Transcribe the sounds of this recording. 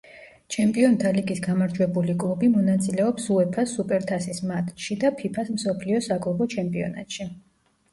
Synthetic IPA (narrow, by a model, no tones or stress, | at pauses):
t͡ʃʰɛmpʼiɔnt̪ʰaliɡisɡamaɾd͡ʒwɛbulikʼlˠubimɔnat̪sʼilɛɔpsuɛpʰasupʼɛɾt̪ʰasismat̪ʼʃid̪apʰipʰasmsɔpʰliɔsaɡlˠɔbɔt͡ʃʰɛmpʼiɔ̰na̰t̪ʼʃi